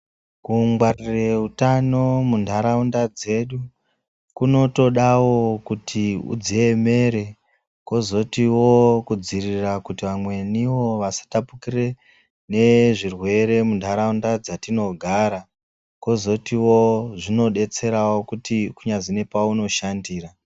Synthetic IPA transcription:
kuŋɡwarire̞utano̞mundʱaɾaundad͡ze̞ɗu | kuno̞to̞ɗawo̞kutʰiṵd͡zieme̞ɾe̞ | ko̞zo̞tiwo̞kud͡zirirakutiʋamwe̞niwo̞ʋasḁtapukire̞ | ne̞ʐirwe̞ɾe̞mundʱaɾaundad͡zatino̞ɡʱaɾa | ko̞zo̞tiwoʐino̞ɗe̞t͡se̞ɾawo̞kutikuɲaʐine̞pauno̞ʃandiːra

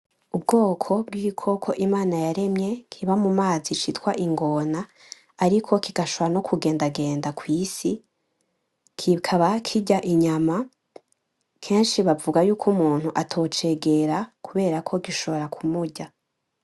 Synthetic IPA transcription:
ubɡo̞ːkʰo̞bɡiɾikʰo̞kʰo̞ʔimaːnajaɾe̞mɲe̞kʰiβamumaːzit͡ʃitwaʔiŋɡo̞naː | ɾikʰo̞kiɡ̥aʃoβoano̞kʰuɡe̞ːndaɡe̞ːndakwiːsi | kʰikʰaβakʰiɟaʔiɲama | kʰe̞ːnʃiβavuɡajuːkʰumuːn̥huʔatʰo̞ːt͡ʃe̞ɡeɾakuβe̞ːɾakʰo̞ɡiʃo̞βo̞ɾakʰumuɟa

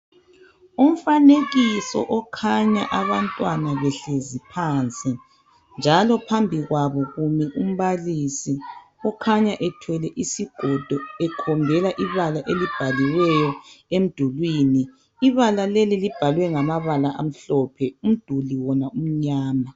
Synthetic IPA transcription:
um̩faneɣisɔ̰ʔɔkʰaɲa̰ʔaβantʼwanaβɛɬezipʰant͡sʼi | nd͡ʒʱalɔpʰambʱiɣwaβɔɣumiʔum̩βalisiɔkʰaɲaʔɛtʰwɛlɛʔisiɡ̥ʱɔd̥ʱɔɛkʰɔmbʱɛlaʔiβalaʔelib̥ʱaliwɛjɔem̩d̥ʱulwiːniː | βalalelilib̥ʱalwɛŋamaβalaʔa̰m̩ɬɔpʰɛum̩d̥ʱuliwɔnaum̩ɲaːma

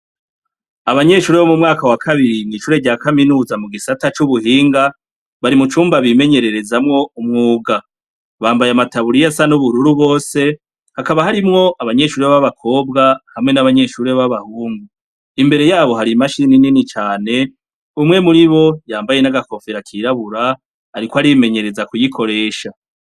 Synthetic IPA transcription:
aβaɲe̞ʃuːɾeβo̞mumŋaːkawakʰaβiɾinŋiʃuːɾeɟaːkaminuːzamuɡisatat͡ʃuβuhiːŋɡa | βaɾimut͡ʃuːmbaβime̞ɲe̞ɾe̞ɾe̞zamŋo̞umŋuːɡa | βaːmbajamataβuɾijasanuβuɾuɾuβo̞ːse̞ | hakaβahaɾimŋo̞ʔaβaɲe̞ʃuːɾiβaβaβakʰo̞ːbɡahamŋe̞naβaɲe̞ʃuɾiβaβaβahuːŋɡu | imbe̞ɾe̞jaːβo̞ɦaɾimaʃiinininit͡ʃaːne̞ | umŋe̞muɾiβo̞jaːmbaje̞naɡako̞feɾakʰiɾaβuɾa | aɾikohaɾiβime̞ɲe̞ɾe̞zakujikʰo̞ɾe̞ːʃa

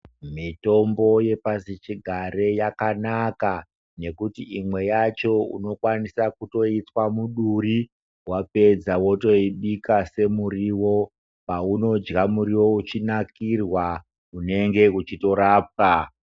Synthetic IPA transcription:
mito̞mbo̞je̞pasit͡ʃiɡʱaɾe̞jakanaka | ne̞kutiʔimwe̞jat͡ʃo̞ṵno̞kwanisakuto̞itwamuɗuri | wape̞d͡zawo̞to̞iɓikase̞muɾiwo̞ | pauno̞d͡ʒɡamuɾiwo̞ut͡ʃinakirwa | une̞ŋɡe̞ut͡ʃito̞ɾaːp̚ka

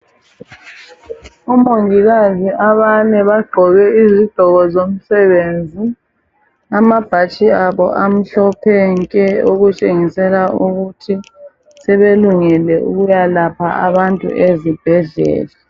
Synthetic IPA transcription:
umoŋiɣaziaβanɛβaɡ͡ǃʱɔɣɛizid̥ʱɔɣɔzom̩sɛβend͡zʱi | amab̥ʱat͡ʃʼiaβɔ̰ʔam̩ɬɔpʰɛŋkʼɛoɣut͡ʃʼeŋisɛlauɣutʰi | sɛβeluŋɛlɛʔṵɣujalapʰaaβantʼṵʔezib̥ʱɛɮɛ̰ːlɛ

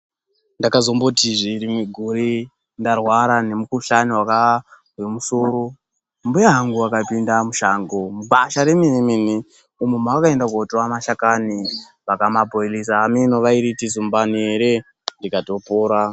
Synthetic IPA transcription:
ndakazombotiʐiɾimiɡʱuɾi | ndarwaɾane̞mukuɬaniwaka | ɦwemusoɾo | mbujaɦaŋɡuakapindamuʃaːŋɡomuɡaʃaɾemimemime | umwemakaendakuotoamaʃakani | ʋakamabʱoelisaːminoʋaiɾitizumbanieɾe | ndikato̞poːɾa

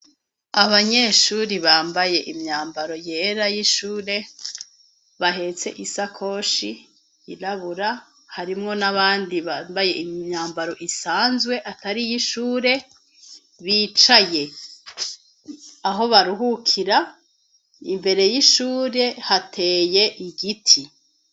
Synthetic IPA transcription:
aβaɲe̞ʃuːɾiβaːmbaje̞ʔimɲaːmbaɾo̞je̞ɾajiʃuːɾe̞ | βaɦe̞t͡se̞ʔisakʰo̞ːʃi | iɾaβuɾa | haɾimŋo̞naβaːndiβambaje̞ʔimɲaːmbaɾo̞ʔisaːnzɡwe̞ʔataɾijiʃuːɾe̞ | βiːt͡ʃaje̞ | aɦo̞βaɾuɦukʰiɾa | imbe̞ɾe̞jiʃuːɾe̞hatʰe̞ːje̞ʔiɡitʰi

